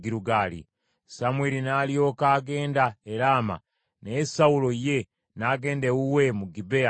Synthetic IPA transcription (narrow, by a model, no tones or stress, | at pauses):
ɡiɾuɡaːlḭ | samweːlinaːlijo̞ːkaːɡe̞ːndaeɾaːma̰ | nesawulo̞je̞ | naɡe̞ːndewuwe̞muɡibea